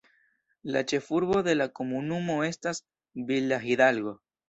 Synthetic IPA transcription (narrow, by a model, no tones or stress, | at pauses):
la̰t͡ʃefuɾβoðelakomunumoest̪as | bilaxiðalɣo